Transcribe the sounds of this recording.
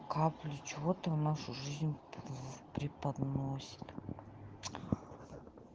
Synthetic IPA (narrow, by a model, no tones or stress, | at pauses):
kʰaplʲʊt͡ʃɪvot̪ənaʂʊʐɨzʲnʲ | pɾʲɪpɐd̪nosʲɪ̥t̪